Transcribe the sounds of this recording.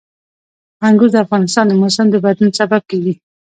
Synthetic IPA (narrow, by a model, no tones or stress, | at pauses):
aŋɡuɾd̪əafɣɑnɪst̪ɑnd̪əmosɪmd̪əbad̪lunsabab̚kawi